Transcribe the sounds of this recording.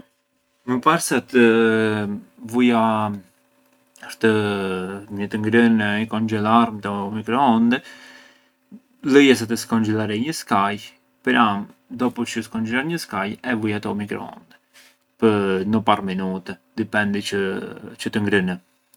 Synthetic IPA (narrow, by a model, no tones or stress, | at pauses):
məpaɾsat̪ə | vuja | əɾt̪ə | ɲət̪əŋɡɾənikɔnd͡ʒɛlaɾmt̪ɛmikɾɔɔnd̪ɛ | ləjɛs̬at̪əskɔnd͡ʒɛlaɾɛɲəskaj | pəɾamd̪ɔpɔt͡ʃəskɔnd͡ʒɛlˠaɾɲəskajɛvujat̪ɔmikɾɔ̰ɔ̰nd̪ɛ | pənəparminut̪ɛd̪ipɛnd̪it͡ʃət͡ʃət̪əŋɡɾənə